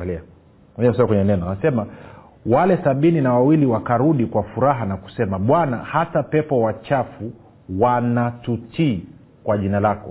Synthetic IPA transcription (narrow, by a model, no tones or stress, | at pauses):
alia | ɔɲamsɔkwɛɲɛnɛnaanasɛma | walɛsaɓininawawiliwakaɾuɗikwafuɾaɦanaku̥sɛmaɓwana̰hatapɛpɔwat͡ʃafu | wanatuti | kwaʄinalakɔ